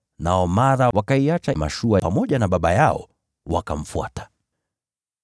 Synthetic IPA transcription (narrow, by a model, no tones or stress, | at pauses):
naɔmaɾawakaiat͡ʃama̰ʃuaamɔʄanaɓaɓajaɔ̰ | wa̰kam̩fua̰tḁ